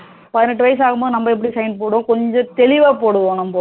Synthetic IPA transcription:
pɐðɪnɛʈ̬ːɯʋɐjɐs̬aːɣɯmboːðɯnɐmːbɐɛp̬ːɐɽisɐɪnpoːɽʊ̃ːkɔɲd͡ʒɔ̃t̪ɛɭɪʋaːpoːɽɯʋoːɳʊmpoː

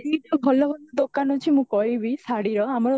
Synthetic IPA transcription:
iʈɔbʱɔlɔbʱɔlɔd̪okanɔt͡ʃʰimũkɔɭibisaɽiɾɔamɔɾɔ

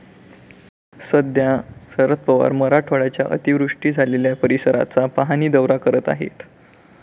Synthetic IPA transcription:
səd̪jasəɾət̪̚pəʋa̰ɾməɾaʈʰoɭat͡ɕja̰ʔə̰t̪iʋɾuʂʈiːd͡zʱaleljapəɾisəɾa̰t͡sapaɦaniːd̪əʋɾakəɾət̪a̰ɦḛt̪

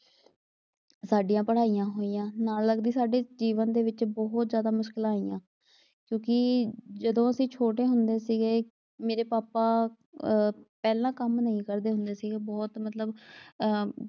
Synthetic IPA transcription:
saːɖijãːpəɽaːijãːɦoːijãːnaːlːəɡd̪iːsaːɖeːd͡ʒiːʋənd̪eːʋɪt͡ʃbɔɦt̪zjaːd̪aːmʊʃkɪlaːiːã̰ː | kjõːkɪd͡ʒəd̪õːəsĩːt͡ʃʰoːʈ̬eːɦʊnd̪eːsiːɡeː | meːɾeːpaːpaː | pɛːlãːkəmnəĩːkəɾd̪eːɦʊnd̪eːsiːɡeːbɔːt̪mət̪ləb

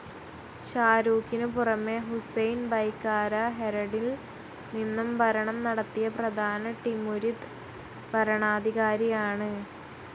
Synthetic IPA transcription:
ɕaːɾuːkːinɨpurɐmːeɦusɐjnbɐjkːaːɾɐɦeɾɐɽil | ninːumbʱɐɾɐɳɐmnɐɽɐt̪ːijɐprɐd̪ʱaːnɐʈimuɾid̪ | bɐɾɐɳaːd̪ʱiɣaːɾijaːɳɨ

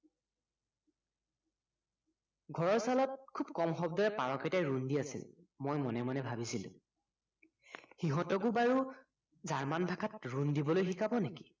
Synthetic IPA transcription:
ɡʱɔɹɔɹsalɔt̚kʰubkɔmxɔbdɔɹɛpaɹɔkɛtajɹundiasḭl | mojmɔnɛmɔnɛbʱabisilʊ̰̃ | xiɦɔtɔɡubaɹu | zaɹmanbʱakʰatɹundibɔlojxikabɔneki̥

